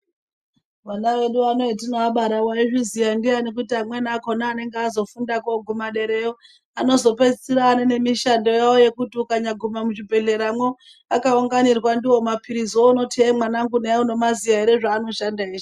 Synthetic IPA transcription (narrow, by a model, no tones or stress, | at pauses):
manawe̞ɗuano̞itinoaɓaɾawaiʐizijandeanek̬utiamwe̞nakonaːne̞ŋɡeazo̞fundakoɡʱumaɗe̞ɾeo | ano̞zo̞pe̞d͡zit͡siraːnene̞miʃando̞jaoje̞kutiukaɲaɡʱumamut͡ʃibʱe̞ɮe̞ɾamwo | akauŋɡanirwandiwo̞mapʰiɾizouno̞tʰiemwanaŋɡuneauno̞mazijaiɾe̞ʐaːno̞ʃandaiːʐi